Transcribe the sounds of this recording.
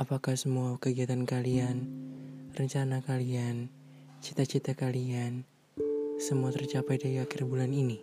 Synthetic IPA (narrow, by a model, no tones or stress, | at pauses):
ʔapakahsəmuakəɡiɦat̪ankalian | rəɲt͡ʃanakalian | t͡ʃit̪at͡ʃit̪akalian | səmuat̪ərt͡ʃapajdaɾiakɪrbulanini